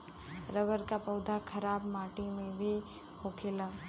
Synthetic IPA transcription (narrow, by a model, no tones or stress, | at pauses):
ɾəʋəɾkapɔʊd̪ʱakʰɐɾaːbmaːʈimẽbʱi | hoːkʰeːla